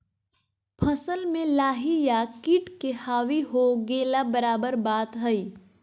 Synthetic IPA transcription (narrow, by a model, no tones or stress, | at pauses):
pʰəsəlmẽlaːɦijakiːʈkehaːwiɦoɡeːlabəɾaːbəɾbaːt̪ɦəi